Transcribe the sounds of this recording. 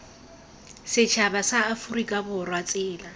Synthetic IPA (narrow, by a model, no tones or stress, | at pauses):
sɪt͡ʃʰabasaːfurikʼabʊrwat͡sʼɪːla